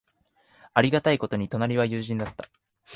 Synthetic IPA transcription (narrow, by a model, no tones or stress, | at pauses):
aɾʲiɡat̪aiko̞t̪oɲ̟it̪o̞naɾʲiβajɯ̟ːʑĩnd̪at̪ːa